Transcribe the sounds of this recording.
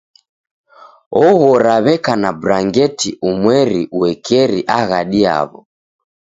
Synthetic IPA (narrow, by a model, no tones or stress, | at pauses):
ɔɣɔɾaβɛkanabuɾaŋɡɛtiʔumwɛɾiuɛkʰɛɾiʔaɣaɗia̰βɔ̰